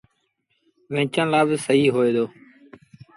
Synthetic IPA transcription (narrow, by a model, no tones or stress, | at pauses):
ʋẽːt͡ʃãːlaːbsəɦiːɦoːeːd̪oː